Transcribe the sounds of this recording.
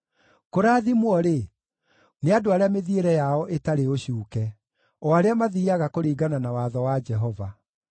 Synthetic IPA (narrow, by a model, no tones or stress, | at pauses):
koɾaːðimwɔɾe | neadoaɾeameðieɾɛjaɔʔetaɾeoɕjuːkɛ | ɔaɾeamaðiaɣakoɾiːɡananawaːðɔwad͡ʒɛɦɔva